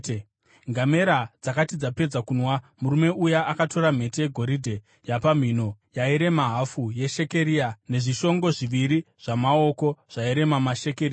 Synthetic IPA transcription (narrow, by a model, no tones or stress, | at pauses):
ŋɡame̞ɾad͡zakatid͡zape̞d͡zakunwa | muɾume̞ujaʔakato̞ɾam̤e̞tejeɡʱo̞ɾidʱe̞ | japam̤ino̞jaiɾe̞maɦafuje̞ʃe̞ke̞ɾiane̞ʐiʃo̞ŋɡo̞ʐiʋiɾi | ʐ̥amao̞ko̞ʐ̥aiɾe̞mamaʃe̞keɾiːa